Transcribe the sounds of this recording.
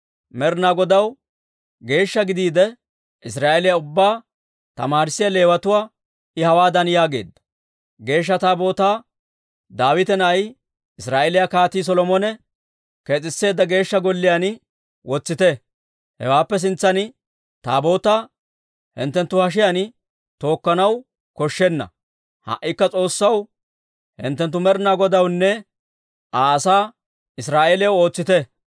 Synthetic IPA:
mɛɾnaɡɔd̪ɐw | ɡe̞ːʃːɐɡɪd̪iːd̪ɛ | ʔɪs̬ɾaːelɪjaʊbːaː | t̪ɐ̰maːɾɪsɪjɐle̞ːwɐt̪ʊwaː | ɪhɐwaːd̪ɐnjaːɡe̞̰ːd̪ːɐ̥ | ɡe̞ːʃ̬ːɐt̪aːbo̞ːt̪aː | d̪aːwɪt̪ɛnɐj | ʔɪsɾaːʔɛlɪjakaːt̪iːs̬ɔlɔmɔnɛ | kɛt͡sʼɪsːe̞ːd̪ːɐɡe̞ːʃːɐɡɔlːɪjanɪ | wʔɔt͡sːɪt̪ɛ | hɛ̰waːpːɛs̬ɪnt͡sːɐnɪ | t̪aːbo̞ːt̪a | hɪ̰nt̪ːɛnt̪ːʊhɐʃ̬ɪjanɪ | t̪o̞ːkːɐnɐw | kɔʃːɛnːɐ̰ | hɐ̰ʔːɪkːɐt͡sʼo̞ːsːɐw | hɪ̰nt̪ːɛnt̪ːʊmɛɾnaːɡɔd̪ɐwnːɛ | ʔaːɐsaː | ɪsɾaːʔeljɛwo̞ːt͡sːɪt̪ɛ

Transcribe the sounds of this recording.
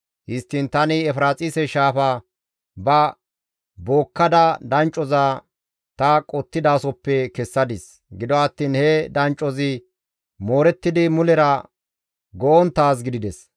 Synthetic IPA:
hɪst̪ːɪnt̪ɐnɪɛfɾaːt͡sʼɪsɛʃaːfɐ | bɐ | boːkːɐd̪ɐd̪ɐnt͡ʃʼːɔzaː | t̪ɐkʼɔt̪ːɪd̪aːsɔpːɛkɛsːɐd̪ɪs | ɡɪd̪ɔɐt̪ːiːnhɛd̪ɐnt͡ʃʼɔzɪ | mo̞ːɾɛt̪ːɪd̪ɪmʊlɛɾɐ | ɡɔʔɔnt̪aːs̬ɡɪd̪ɪd̪ɛs

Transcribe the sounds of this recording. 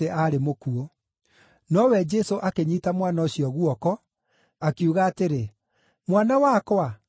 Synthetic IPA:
eʔaɾemokuo | nɔwɛd͡ʒɛsoʔakeɲitamwanaoɕiɔɣuɔkɔ | akiuɣaːteɾe | mwanawakwa

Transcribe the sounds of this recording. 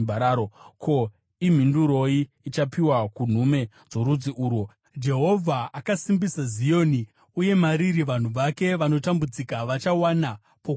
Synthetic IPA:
baɾaːɾokʰo̞ | im̤induɾo̞iːt͡ʃapiwakun̤ume̞ | d͡zo̞ɾud͡ziʔuːɾwo | d͡ʒe̞ɦo̞vʱaːkasimbisazijo̞ːni | uje̞maɾiɾiʋan̤uʋake̞ʋano̞tambud͡zikaʋat͡ʃawana | po

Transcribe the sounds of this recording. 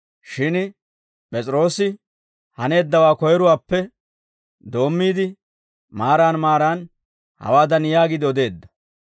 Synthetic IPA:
ʃɪn | pʼɛt͡sʼɾo̞ːsɪ | hɐne̞ːd̪ːɐwaːkɔjɛɾʊwaːpːɛ | d̪o̞ːmːiːd̪ɪ | maːɾaːnmaːɾaːn | hɐ̰waːd̪ɐnjaːɡɪd̪ɪɔd̪e̞ːd̪ːɐ̥

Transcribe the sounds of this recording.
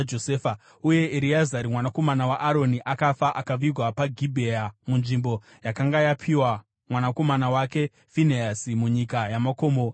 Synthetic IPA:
d͡ʒosefa | uje̞ʔeɾiazaɾimwanako̞manawaʔaɾo̞niʔakafaʔakaʋirʱwapaɡʱibʱejamunʐimbo̞ | jakaŋɡajapʰiwa | mwanako̞manawake̞ | fineasimuɲikajamako̞ːmo

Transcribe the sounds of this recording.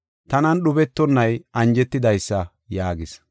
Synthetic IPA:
t̪ɐnɐnɗʊbɛt̪ːɔnːɐjʔɐnd͡ʒɛt̪ːɪd̪ɐjsːɐ | jaːɡɪs

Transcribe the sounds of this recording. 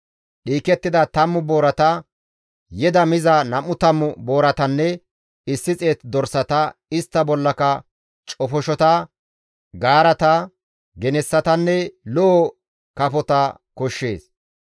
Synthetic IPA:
ɗiːkɛt̪ːɪd̪ɐt̪ɐmːʊboːɾɐt̪ɐ | jɛd̪ɐmɪzɐnɐmʊt̪ɐmːʊbo̞ːɾɐt̪ɐnːɛ | ɪsːɪt͡sʼe̞ːt̪d̪ɔɾsɐt̪ɐɪst̪ːɐbɔlːɐkɐ | t͡ʃʼɔfɔʃɔt̪ɐ | ɡaːɾɐt̪ɐ | ɡɛnɛsːɐt̪ɐnːɛlɔː | kɐpɔt̪ɐ | kɔʃːḛːs

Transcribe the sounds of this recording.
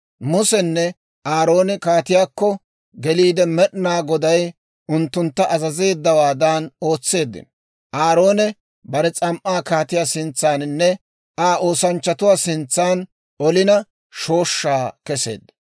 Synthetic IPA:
mʊsɛnːɛ | aːɾo̞ːnɛkaːt̪ɪjaːkːɔ | ɡɛliːd̪ɛmɛɗnaːɡɔd̪ɐj | ʔʊnt̪ːʊnt̪ːɐʔɐzɐze̞ːd̪ːɐwaːd̪aːno̞ːt͡sːe̞ːd̪ːɪ̰nɔ | ʔaːɾo̞ːnɛ | bɐɾɛt͡sʼɐmʔaːkaːt̪ɪjaːsɪnt͡sːaːnɪnːɛ | aːʔo̞ːsɐnt͡ʃːɐt̪ʊwaːsɪnt͡sːaːn | ɔlɪnɐ | ʃo̞ːʃːaːkɛse̞̰ːd̪ːɐ̥

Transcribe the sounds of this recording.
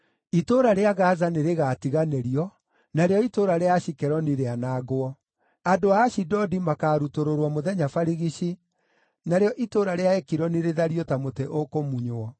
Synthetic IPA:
itoɾaɾeaɣazaneɾeɣaːtiɣaneɾiɔ | naɾeɔitoɾaɾeaʃikɛɾɔniɾeanaɡoɔ | adoaːɕidɔdimakaːɾutoɾoɾwɔmoðɛɲafaɾiɣiʃi | naɾeɔʔitoɾaɾeaɛkiɾɔniɾeðaɾiɔtamoteʔokomuɲoɔ

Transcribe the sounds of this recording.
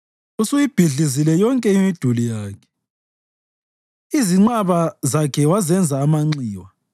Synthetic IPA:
usujib̥ʱiɮizilɛjɔŋkʼɛimid̥ʱulijaːkʰɛ̥ | iziŋ͡ǀaβazakʰɛwazɛnd͡zʱaːmaŋ͡ǀiːwa

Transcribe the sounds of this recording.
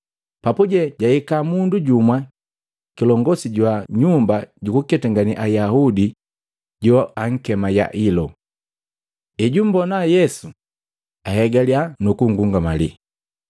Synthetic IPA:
papuɟɛɟaikamunduɟumwa | kilɔŋɡɔsiɟwaɲumbaɟukukɛtaŋɡaniʔajahudi | ɟɔaŋ̩kɛmaja̰ʔilɔ | ɛɟum̩bɔnajɛsu | aɦɛɡalianukuŋɡuŋɡamalḭ

